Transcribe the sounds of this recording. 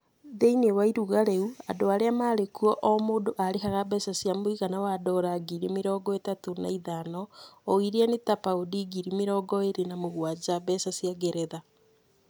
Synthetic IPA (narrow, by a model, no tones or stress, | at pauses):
ðeinewaiɾuɣaɾeuadoaɾeamaːɾekuɔʔomoːdoʔaɾehaɣabɛsasjamoiɣanawadɔɾaɡiɾimeɾɔːɡɔetatona̰iðanɔːiɾianetapaodiɡiɾimeɾɔːɡɔeɾenamoɣwad͡ʒaβɛsasjaɡeɾɛða